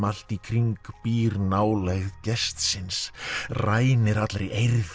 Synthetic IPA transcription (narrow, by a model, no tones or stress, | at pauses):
mal̥t̪ikʰɾiŋkpiːɾnaːwlejɣðcɛst̪sɪnsraːjnɪɾat̪lɾejʔejɾð